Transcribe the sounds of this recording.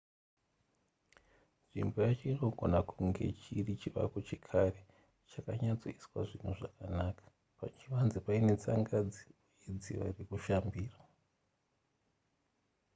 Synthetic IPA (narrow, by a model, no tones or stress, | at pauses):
nʐḭmbojat͡ʃeino̞ɡʱo̞nakuŋɡe̞̰t͡ʃirit͡ʃiʋa̰kot͡ʃikʰare | t͡ʃakaɲat͡soiswa̰ʐin̤uʐakanakḁ | pa̰t͡ʃiʋanzipaine̞t͡sa̰ŋɡad͡zi | jed͡ziʋa̰rekuʃambiːra